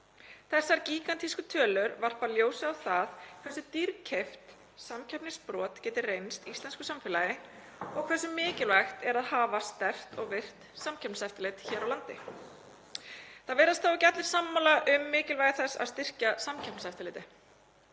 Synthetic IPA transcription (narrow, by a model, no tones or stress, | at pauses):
θɛsːaɾciːkant̪ʰhiskʏt̪ʰœːlʏɾvar̥paljoːwsɪawθaðkʰvɛsʏt̪iɾcʰeft̪ | samcʰɛpnɪspɾɔːt̪cɛːt̪ɪrrejnst̪ist̪ɛnskʏsamfɪːlajɪ | ɔɣkʰvɛs̬ʏmːɪːcɪlvɛxt̪ɛɾaðhaːvast̪ɛft̪ʰɔɣvɪr̥t̪samcʰɛpnsɛft̪alɪt̪çɛːɾawlant̪ɪ | θaðvɛːɾast̪aːwcat̪lɪɾ̥samːalaʔʏmːɪːcɪlvajɪθɛsːa̰st̪ɪr̥casamcʰɛp̚n̥saft̪ɪlɪːt̪ɪ